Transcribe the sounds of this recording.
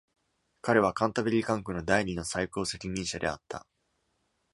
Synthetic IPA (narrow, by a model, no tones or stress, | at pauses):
kaɾe̞β̞akãnt̪abeɾʲikãŋkɯ̟no̞d̪aiɲ̟ino̞saiko̞ːse̞kʲimʲĩɰ̃ɕad̪e̞̰a̰t̪ʰːa̰